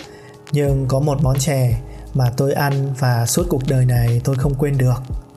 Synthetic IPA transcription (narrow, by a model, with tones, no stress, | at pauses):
ɲɨ˧ŋkɔ˨˦mo˨˩t̚ɓɔ˨˦nt͡ɕɛ˧˩maː˨˩t̪o˧jʔa˧nvaː˨˩su˦˥t̚ku˨˩ək̚ɗəː˨˩jna˨˩jt̪o˧jxə˧wŋ͡mkwe˧nɗɨ˨˩ək̚